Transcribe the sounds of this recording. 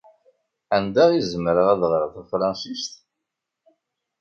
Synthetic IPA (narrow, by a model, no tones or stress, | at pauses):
ænd̪æʁizəməɾəʁæðʁɾəθæfɾˤɑnsist̪